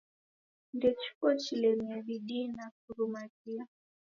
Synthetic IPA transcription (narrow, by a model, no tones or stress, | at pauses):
ndɛt͡ʃu̥kɔt͡ʃilɛmiaɓiɗinafuɾumatia